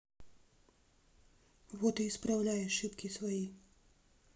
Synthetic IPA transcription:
vot̪iispɾawlʲaːjɛʃipkisvɔji

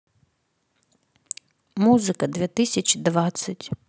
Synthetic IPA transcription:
muzɨkɐd̪vʲɛt̪ɪsʲɐt͡ɕid̪vat̪sːɐtʲ

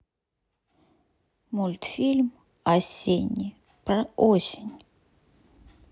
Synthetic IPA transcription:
mulʲt̪fʲilʲm | ɐsʲenʲi | pɾɐosʲɪnʲ

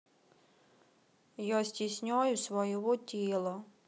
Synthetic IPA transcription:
jɔsʲtʲisʲnʲɔjʊsʋɔjɔʋɔtʲilˠɔ

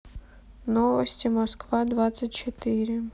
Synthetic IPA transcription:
novəsʲtʲɪmɐskvad̪vat̪sətʲt͡ʃɪt̪ɪɾʲɪ

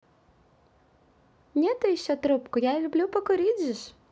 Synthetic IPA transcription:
nʲet̪ʊjɪɕːot̪ɾupkʊjalʲʊblʲupəkʊɾʲidʲzɪʂ

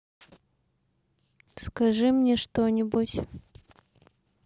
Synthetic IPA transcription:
skɐʐɨmnʲeʂt̪onʲɪbutʲ

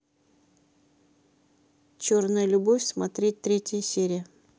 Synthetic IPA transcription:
t͡ɕornəjəlʲʊbofʲsmɐt̪ɾʲet̚ʲt̪ɾʲetʲɪjəsʲeɾʲɪjə

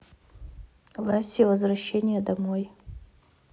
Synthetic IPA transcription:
lˠasʲivɐzvɾɐɕːenʲɪjəd̪ɐmoj

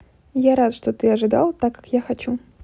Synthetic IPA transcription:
jaɾat̪ʂt̪ot̪ɨɐʐɨd̪a̰lˠt̪akːḁkjaxɐt͡ɕu

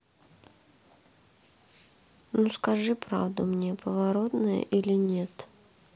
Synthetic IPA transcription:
nuskɐʐɨpɾa̰vd̪ʊmnʲepʰəvɐɾo̞t̪nəjə̰ʔilʲɪnʲet̪

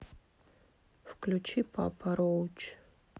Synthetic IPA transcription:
fklʲut͡ʃipʰa̰pʰɐɾowt͡ʃ

